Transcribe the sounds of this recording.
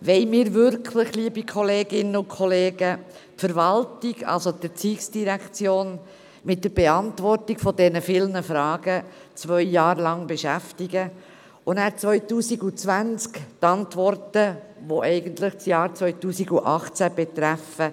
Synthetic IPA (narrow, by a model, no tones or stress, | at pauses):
ʋɛɪmɪːɾvʏɾkʰləχliəbikʰɔleːɡɪnːəʊkʰɔleːɡə | tfəɾʋɑltiɡɑ̰lsod̥̪ət͡siːksd̥iɾækt͡sjoːn | mɪt̚dəɾb̥eɑntʋɔrtiɡ̥fɔdɛnəfɪlnəfɾɑːɡ̥ə | t͡svœʏːɑːɾlɑŋbeʃæftiɡə | ʊnæːɾt͡sʋœʏtuːsiɡut͡sʋænt͡skt̪ɑntʋɔrtəʋoʔɛɪɡəntləχt͡sjɑːɾt͡sʋœʏtuːsiɡuʔɑχt͡sæb̥ɛt̪ɾæfə